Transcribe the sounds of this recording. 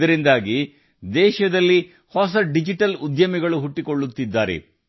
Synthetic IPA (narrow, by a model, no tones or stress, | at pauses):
ɐɾind̪aːɡi | d̪ɛːʃɐd̪ɐlːi | hɔs̬ɐɖid͡ʒiʈɐlud̪jɐmiɡɐɭuɦuʈːiko̞ɭːut̪ːid̪ːaːɾḛ